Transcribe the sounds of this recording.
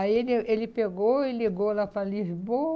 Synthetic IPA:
aielielipeɡoiliɡolapɾalizbo

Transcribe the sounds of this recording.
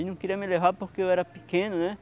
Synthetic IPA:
inũŋkiɾiamẽleɦapoɾkeoɛɾapikẽnõnẽ

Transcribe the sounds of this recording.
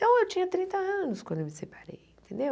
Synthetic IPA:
t̪ɐ̃w̃ewt͡ʃĩɲɐt̪ɾĩnt̪ɐɐ̃nʊskwɐ̃nd̪ewmisepaɾḛjẽnt̪ẽnd̪ew

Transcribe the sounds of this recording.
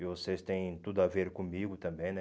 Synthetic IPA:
ɪvosest̪ẽj̃t̪ud̪ʊaveɾkõmiɡʊt̪ɐ̃mbẽj̃nɛ

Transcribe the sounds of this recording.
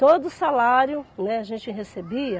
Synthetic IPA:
t̪od̪ʊsalaɾjʊnɛaʒẽnt͡ʃɪɦesebiɐ

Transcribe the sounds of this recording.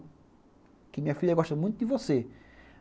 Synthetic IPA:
kɪmĩɲɐfiʎɐɣɔʃt̪ɐmũj̃t̪ud̪ɪvose

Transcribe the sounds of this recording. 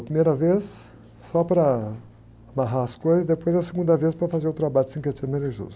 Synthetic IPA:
ɐpɾimejɾɐvesː | ɔpɾɐ | amaɦaɐskojzɐzd̪epojzɐseɡũnd̪ɐvespɾɐfazeɾowt̪ɾabaʎʊsĩket͡ʃivmeleʒṵz

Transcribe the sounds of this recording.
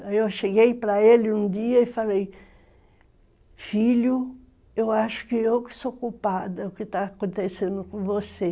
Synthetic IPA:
ewʃeɡejpɾɐelɪũd̪iɐɪfalej | fiʎʊ | ewaʃʊ̥kɪewkɪ̥sokupad̪ɐʊkɪt̪aːkõnt̪esẽnd̪ʊkõvose

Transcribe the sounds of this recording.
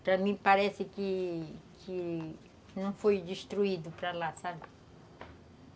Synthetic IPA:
pɾɐmĩpaɾɛsɪkɪkʰɪ | nɐ̃w̃fojd͡ʒiʃt̪ɾuid̪ʊpɾalasabɪ

